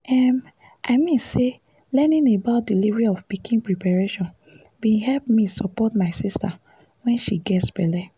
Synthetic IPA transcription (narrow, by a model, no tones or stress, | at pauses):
ɛm | ʔaɪmĩnse | lɛnĩnebaʊt̚dilivɹiɔfpikʰĩnpɹipaɹeʃɔ̃n | biɦɛlpmisɔpɔtmaɪsista̰ | wɛ̃nʃiɡɛtsbɛlɛ